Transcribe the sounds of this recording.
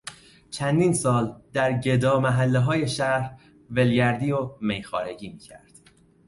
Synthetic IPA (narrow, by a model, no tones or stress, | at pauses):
t͡ʃʰænd̪iːnsɒːld̪̥æɾɟed̪ɒːmæɦælːeɦɒːje̞ʃæɾ | ve̞lɟæɾd̪iːomejxɒːɾe̞d͡ʒiːmiːcʰæ̰ɾd̪̥